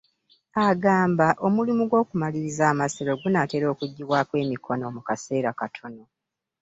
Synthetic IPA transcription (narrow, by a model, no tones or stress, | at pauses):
aɡaːmbaʔo̞mulimuɡwo̞ːkumaliɾizaːmaseɾo̞ɡunate̞ːɾo̞ːkuɟːiwaːkwe̞ːmikʰo̞no̞mukase̞ːɾakatʰo̞no̞